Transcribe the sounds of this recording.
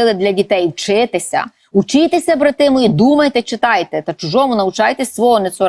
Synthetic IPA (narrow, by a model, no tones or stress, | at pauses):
ɪlˠɪd̪ʲlʲɐdʲit̪ɛjwt͡ʃɪt̪esʲɐ̰ | ʊt͡ʃɪt̪esʲɐbɾɐt̪ɪmʊid̪umɐjt̪ɛt͡ʃɪt̪ɑjt̪ɛt̪ɐt͡ʃʊʒɔmʊnɐʊt͡ʃɑjt̪esʲsʋɔɦɔnet̪sɔɾ